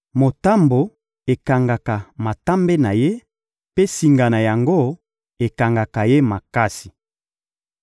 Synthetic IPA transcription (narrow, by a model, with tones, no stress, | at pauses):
mo˨ta˦mbo˨ | e˨ka˨ŋɡa˨ka˨ma˨ta˦mbe˦na˨je˦ | pe˦si˨ŋɡa˨na˨ja˨ŋɡo˦ | e˨ka˨ŋɡa˨ka˨je˦ma˨ka˦si̥˨